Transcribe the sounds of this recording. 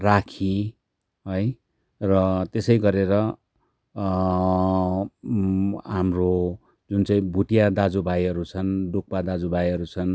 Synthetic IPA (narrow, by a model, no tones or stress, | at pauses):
rakʰi | ɦʌj | rʌt̪esʌjɡʌɾeɾʌ | ɦamro | d͡zunt͡saĩbʱuʈijad̪ad͡zubʱajʌɾut͡sʰʌnɖuk̚pad̪ad͡zubajʌɾut͡sʰʌn